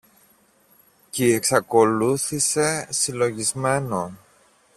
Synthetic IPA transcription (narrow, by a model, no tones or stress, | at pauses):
cieksɐko̞luθise̞silo̞ʝizme̞non